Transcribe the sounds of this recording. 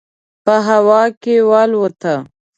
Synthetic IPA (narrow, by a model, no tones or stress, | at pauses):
pəɦawɑkewɑlwət̪a